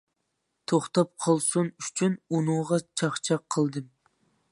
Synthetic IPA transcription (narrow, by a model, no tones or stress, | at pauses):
t̪ʰoχt̪ɑp̚qʰɑlˠsunyt͡ʃʰynunuŋʁɑt͡ʃʰɑχt͡ʃʰɑqʰːəlˠd̪ɨm